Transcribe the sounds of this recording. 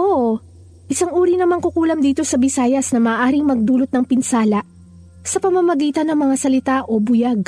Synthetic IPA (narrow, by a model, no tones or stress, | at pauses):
ʔoʔ | ʔɪsɐŋʔuːɾinɐmɐŋkʊkuːlɐŋd̪iːt̪o̞sɐbɪsaːjɐsnɐmaːʔaːɾɪŋmɐɡ̚d̪uːlot̪̚nɐŋpɪnsaːlɐʔ | sɐpɐmɐmɐɡiːt̪ɐnɐŋmɐŋasɐlɪt̪aʔo̞bʊjaɡ̚